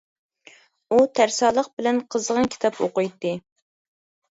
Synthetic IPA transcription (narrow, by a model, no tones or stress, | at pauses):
ut̪ʰæɾsɑːlˠəq̚bɪlɛnqʰəzəʁɑnkʲʰi̥t̪ʰɑpʰoqʊjt̪ːɨ